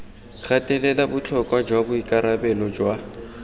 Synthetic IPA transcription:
ɣatʼɛlɛlabʊt͡ɬʰɔkʼwad͡ʒwabʊikʼaɾabɛlɔd͡ʒwa

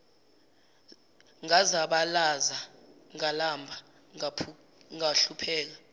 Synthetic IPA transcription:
ŋazaɓalazaŋalambʱa | ŋaɬupʰɛːk̬a

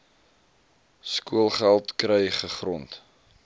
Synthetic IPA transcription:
skuəlˠχælˠtkrɛjχəχrɔnt

